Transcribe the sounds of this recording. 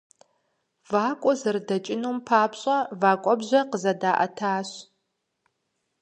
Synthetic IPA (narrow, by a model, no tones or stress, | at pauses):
vaːkʷʼɔzɨrdɐt͡ʃʼɪnuːmpʰaːpɕʼɐvaːkʷʼɔbʑʷɐqəzɐdaːʔɐ̰tʰaːɕ